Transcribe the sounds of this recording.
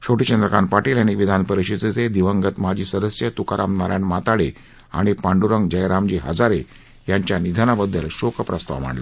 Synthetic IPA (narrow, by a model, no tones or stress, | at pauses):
ɕoʈit͡ɕənd̪ɾəkaɳpaʈiːljaniʋid̪ʱanpəɾiɕit͡sit͡sed̪iʋəŋɡət̪mad͡ʑiːsəd̪əsjət̪ukaɾʔa̰mnaɾa̰nmat̪aɽe | a̰ɽ̃ipaɳɖuɾəŋɡd͡ʑəjɾamd͡ʑiɦə̰d͡zaɾe | jaɲt͡ɕjanid̪ʱanabəd̪ːəlɕokəpɾəst̪a̰ʋm̤a̰ɳlə̰